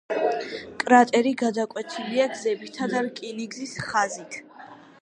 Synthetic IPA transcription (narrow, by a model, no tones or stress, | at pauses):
kʼɾat̪ʼɛɾiɡad̪akʼwɛt̪ʰiliaɡzɛbit̪ʰad̪aɾkʼiniɡzisχazit̪ʰ